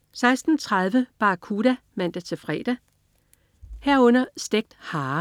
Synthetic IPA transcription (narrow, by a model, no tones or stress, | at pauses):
sɑ̈ɪsd̥n̩t͡sʰʁað̞ˠʋəb̥ɑ̈ːkʰuːɾ̥æmæn̰d̥æt͡sʰe̝fʁɛ̰ːd̥æ | heɐɔ̽n̰ɐsd̥eɡ̥̚d̥hɑ̈ː